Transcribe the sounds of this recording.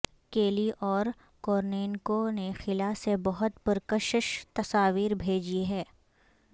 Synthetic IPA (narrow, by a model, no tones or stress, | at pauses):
keːliʔɔːɾ | kɔːɾneːnkonexɪlasebɐɦʊt̪pəɾkəʃəʃt̪ɐsaːʋiːɾbʱeːd͡ʒiɦɛː